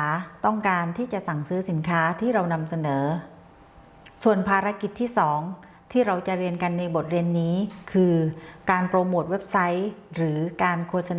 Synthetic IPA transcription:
t̪ɔ˥˩ŋkaː˧nt̪ʰiː˥˩t͡ɕa˨˩ʔsa˨˩ŋsɯː˦˥si˩˦nkʰaː˦˥t̪ʰiː˥˩ɾa˧wna˧msa˧nɤː˩˦ | su˨˩ənpʰaː˧ɾa˧˥ki˨˩t̪ʰːiː˥˩sɔː˩˦ŋ | t̪ʰiː˥˩ɾa˧wt͡ɕa˨˩ɾi˧ənka˧nːa˧jbo˨˩t̪̚ɾi˧ənːiː˦˥kʰɯː˧kaː˧npɾoː˧moː˨˩t̪̚we˦˥p̚sa˦˥jɾɯː˩˦kaː˧nkʰoː˧t̪̚sa˧n

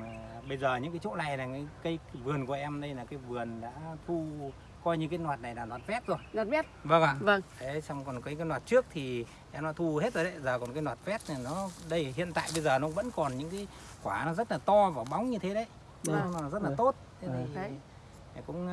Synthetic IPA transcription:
aː˨˩ɓə˧jzəː˨˩ɲɨ̰˧˥ŋkaː˨˦jt͡ɕo̰˧˥la̰˧˨jlaː˨˩ŋaː˨˦jkə˨˦jvɨ˨˩ənku˧˩əʔɛ˧mɗə˧jlaː˨˩kaː˨˦jvɨ˨˩ənɗa̰ː˧˥t̪ʰu˧ | kɔ˧jɲɨ˧kːi˧nwaː˨˩t̚na˨˩jlaː˨˩nwaː˨˩t̚fɛ˦˥t̚zo˨˩ja˨˩˦t̚və˧ŋaː˨˧˩və˧ŋʰe˨˦sɔ˧wŋ͡mkɔ˨˩nka˨˦ka˧nhwaː˨˩t̚t͡ɕɨ˦˥ək̚t̪ʰi˨˩ | ʔɛ˧mɗa̰ː˧˥t̪ʰu˧he˦˥t̚zə˨˩jɗə˨˦zəː˨˩kɔ˨˩nkaː˧˦jnwaː˨˩t̚fɛ˦˥t̚ni˨˩nɔ˨˦ɗə˧jhḭ˧˨ənt̪a̰ː˧˨jɓə˧jzəː˨˩nɔ˨˦˧ŋ͡mvə̰˧˥nkɔ˨˩nɲɨ̰˧˥ŋkaː˨˦j | kwaː˧˩nɔ˨˦zə˦˥t̚laː˨˩t̪ɔ˧vaː˨˩ɓa˨˦wŋ͡mɲɨ˧t̪ʰe˨˦ɗə˨˦j | n˨˦zə˦˥t̚laː˨˩t̪o˦˥t̚t̪ʰe˨˦t̪ʰi˨˩˨ | kʊ̰˧˥ŋ͡m

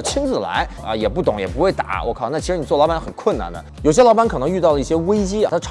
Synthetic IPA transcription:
t͡ɕʰi˥nd͡zɹ̩˨˩la̰˧˥ɪə̰˧jɛ˨˩pu˥˩t̪ʊ˨˩ŋjɛ̰˨˩pu˧˥xwe˥˩ɪt̪a̰˩˥˦wʔɔ̰˧˥kʰɑ˨˩˦na˥˩t͡ɕʰi˧˥ʂɻ̩˧˥i˨˩t͡swɔ˥˩lɑ˧˥ʊba˧˥nxə˨˩nkʰwə˥˩˧na̰˩nd̪ə̰˩jo˨˩ʊɕjɛ˥lɑ˥ba˧˥nkʰɤ˨˩n˧˥ŋy˥˧t̪ɑ˥˩ʊlə˩i˥˩ɕjɛ˥we˥ɪt͡ɕḭ˥˧˩a˥ʈ͡ʂʰ

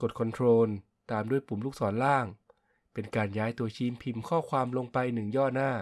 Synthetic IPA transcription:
ko˨˩t̪̚kʰo˧nt̪ʰɾoː˧n | t̪aː˧mdu˥˩əjpu˨˩˦mluː˥˩k̚sɔː˩˦nlaː˥˩ŋ | pe˧nkaː˧njaː˦˥jt̪u˧ɐt͡ɕʰiː˧mpʰi˨˩mkʰɔː˥˩kʰwaː˧mlo˧ŋpa˧jnɯ˨˩ŋjɔː˥˩naː˥˩

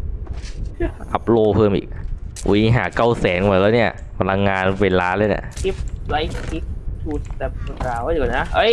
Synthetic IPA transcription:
ʔa˧˥p̚loː˧pʰɤː˧mʔḭː˨˩k̚wʔṵ˧˦˩i˦ɦaː˩˦ka˥˩wsɛː˩˦nmː˧˨˩laː˧˩ni˥˩ɐpʰa˧la˧ŋːaː˧nweː˧laː˧˥le˧˥˩na̰˩ki˦˥p̚la˦jkkʰi˦˥p̚t̪ʰuː˧˩t̪̚bɛ˨˩p̚ːɾaː˧˩wa˧˥˩a˨˩na˦˥ʔɤ˦˥˩j

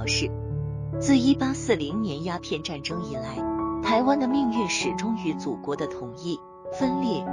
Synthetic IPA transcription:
ʂɻ̩˥˩ | t͡sɹ̩˥˩i˥pa˥sɹ̩˥˩li˧˥ŋnjɛ˧˥nja˥pʰjɛ˥˧nʈ͡ʂa˥˩nʈ͡ʂɤ˥ŋi˨˩la˧˥ɪt̪ʰa˧˥ɪwa˥nd̪ə˨mi˥˧ŋy˥˧nʂɻ̩˨˩ʈ͡ʂʊ˥ŋy˧˥t͡su˨˩kwɔ˧˥d̪ə˧t̪ʰʊ˨˩ŋi˥˩ | fə˥nljɛ˥˩

